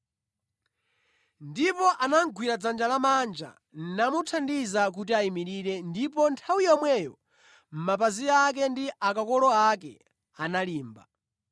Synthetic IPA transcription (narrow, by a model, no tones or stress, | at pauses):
ndipɔʔanaŋ̩ɡʱwiɾad͡zand͡ʒalamand͡ʒa̰ | n̩namutʰandizak̬utiaimiɾiɾɛndipɔntʰawijɔmwɛjɔ | m̩mapaziak̬ɛndiʔakakɔlɔakɛ̰ | analiːmba̰